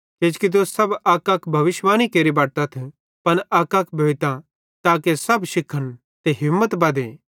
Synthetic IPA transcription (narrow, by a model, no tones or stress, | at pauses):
keːd͡ʒkit̪̬osɐbaːkakʰbʱɐʋɪʃʋaːñikeːɾibaːʈ̚t̪at̪ʰ | pɐnaːkakʰbʱeːʋt̪ã | t̪aːkesɐbʃɪkʰːən | t̪eɦɪmːət̪bɐd̪eː